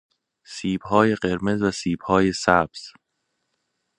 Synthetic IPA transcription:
siːb̥hɒːje̞ɢe̞ɾme̞zvæsiːb̥hɒːje̞sæbz̥

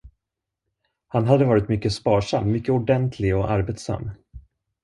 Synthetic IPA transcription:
hanɦad̪ːəvɑːɾɪt̪mʏkːəspɑːʂamːmʏkːəʊɖɛnt̪ʰlɪɡɔʔaɾbeːt̪sa̰mː

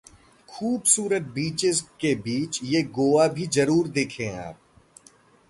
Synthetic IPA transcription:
xʰuːbsuːɾət̪̚biːt͡ʃɪzkebiːt͡ʃjeɡoːabʱizɐɾuːɾd̪eːkʰẽa̰ːp̚

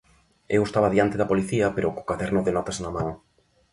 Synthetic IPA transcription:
ewest̪aβaðjant̪eðɐpoliθiɐpeɾoko̥kaðɛɾnʊðenɔt̪asnamãŋ

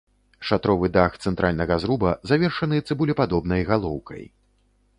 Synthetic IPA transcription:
ʂat̪ɾɔvɨd̪axt̪sɛnt̪ɾʔalʲnɐɣɐzɾubɐzavʲɛrʂɐnɨt̪sɨbulʲipad̪ɔbnɐjɣalˠɔwkɐ̰j

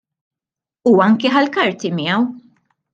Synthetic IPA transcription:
uɐŋkiħɐlkɐɾt̪imɪjɐw

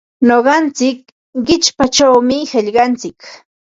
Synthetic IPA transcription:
noɢɑnt͡sɪk̚ | ɢɪt͡ʃpat͡ʃawmɪhɪʎɢɑnt͡sɪk

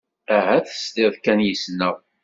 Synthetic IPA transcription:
æɦæθə̥st̪ɪðˤkænjəsnəʁ

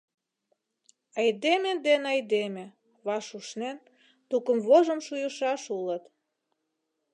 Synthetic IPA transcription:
ɑjd̪emĕd̪enɑjd̪emĕ | βɑʃuʃnen | t̪ukəmβoʒə̆mʃujəʃɑʃulə̆t̪

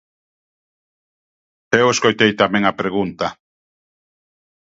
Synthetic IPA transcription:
eweskojt̪ejt̪amẽŋapɾeɣunt̪a

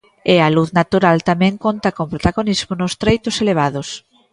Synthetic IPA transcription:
ɛaluθnat̪uɾalt̪amɛ̃ŋkont̪ɐkõŋpɾot̪aɣonizmʊnʊst̪ɾejt̪ʊseleβ̞aðʊs

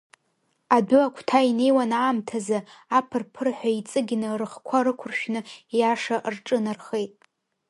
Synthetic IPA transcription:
adʊakʷʰtʰaine̞jwanaːmtʰazaapʰɨrpʰɨrħʷait͡sʼɨɡʲnɨrɨχkʷʰaɾɨkʷʰʊrʃᶣnɨjaʂaʔrʈ͡ʂʼɨnarχe̞jtʼ

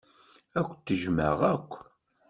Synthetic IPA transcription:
ækʷːt̪ːəʒmə̰ʁækʷː

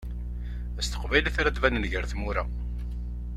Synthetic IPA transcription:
æst̪ə̥qvæjlæθɾæd̪vænənʝəɾθmuɾa̰

